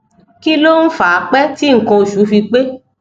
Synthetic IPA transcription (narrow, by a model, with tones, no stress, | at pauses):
ki˦lo˦n̩˦faː˨˦k͡pɛ˦ti˦ŋ̩˨kɔ̃˧o˨ʃu˨˦fi˧k͡pe˦